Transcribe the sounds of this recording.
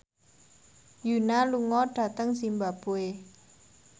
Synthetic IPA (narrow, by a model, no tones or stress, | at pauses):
junaluŋɔɖ̥ä̤t̪əŋsimbabue